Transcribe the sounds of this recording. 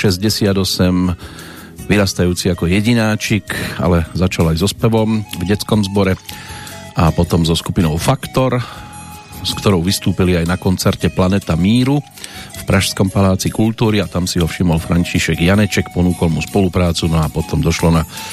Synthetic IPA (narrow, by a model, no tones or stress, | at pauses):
ʃɛzɟɛsɪad̪ɔsɛm | ʋiɾast̪ajuːt͡siakɔjɛɟinaːt͡ʃika̰lɛzat͡ʃalajzɔspɛʋɔmvɟɛt͡skɔmzbɔɾɛ | ʔapɔt̪ɔmzɔskupinɔʊfakt̪ɔɾ | skt̪ɔɾɔʊʋist̪uːpiliajnakɔnt͡sɛɾcɛplanɛt̪amiːɾu | fpɾʔaʃskɔmpalaːt͡sikult̪uːɾiat̪amsiɦɔfʃimɔlfɾaɲt͡ʃiʃɛɡjanɛt͡ʃɛkpɔnuːkɔlmuspɔlupɾaːt͡sunɔapɔt̪ɔmd̪ɔʃlɔna